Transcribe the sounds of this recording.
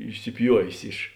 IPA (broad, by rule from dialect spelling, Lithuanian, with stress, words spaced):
ɪʃʲsʲɪˈpʲjuɔʋʲeːs ɪʃ